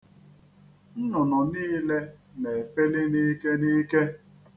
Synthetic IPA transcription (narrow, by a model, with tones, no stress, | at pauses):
n̩˦nɔ˨nɔ˨niː˦le˦ne˨fe˦le˦niː˦ke˦ni˦ke˦